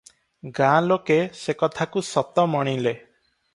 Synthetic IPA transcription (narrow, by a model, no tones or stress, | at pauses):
ɡãlokesekɔt̪ʰakusɔt̪ɔmɔɽ̃ile